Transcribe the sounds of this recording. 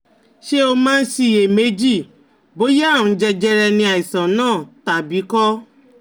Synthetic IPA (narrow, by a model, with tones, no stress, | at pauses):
ʃe˦o˧mãː˦n̩˦si˧˨e˨me˨˦d͡ʒi˦˨ | bo˨˦je˦a˦˨ũ˧˦d͡ʒɛ˧d͡ʒɛ˧ɾɛ˧nĩ˧a˨i˨sã˨nãː˦˨ta˨bi˨˦kɔ˦